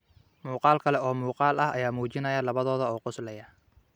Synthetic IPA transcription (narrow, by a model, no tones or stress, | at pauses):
muːqɑːlkʰɐlɛɔːmuːqɑːlɐhɐ̰jaːmuːt͡ʃɪnɐjɐlɐβɐðɔːðɐɔːqʊslɛjɐ